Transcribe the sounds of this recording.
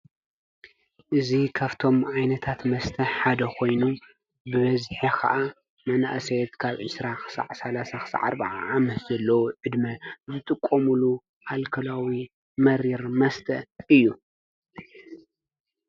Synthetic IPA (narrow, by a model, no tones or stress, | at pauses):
ʔɨzikʰaβt̪ʰo̞mʕajnɐt̪ʰat̪mɐst̪ʰɐħad̪ɐkʰo̞jnu | bɨβɐzħikʰɐ̰ʔa | mɐnaʔsɐjt̪kʰaβʕɨsɾaxɨ̥sa̰ʕsalasaxɨ̥sa̰ʕa̰ɾbaʕaʕamɐt̪z̥ɐlːɐwoʕɨd̪mɐzɨt̪ʼɨkʼːomulu | ʔalkʰɐlawi | mɐɾiɾmɐst̪ʰɐ̰ʔɨjːu